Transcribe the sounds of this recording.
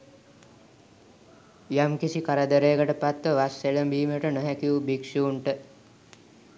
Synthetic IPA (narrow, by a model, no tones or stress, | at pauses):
jamkisikaɾəd̪əɾeːkəʈəpat̪ʋəʋasːeləmbiːməʈənoɦɛkiubikʂiuɳʈə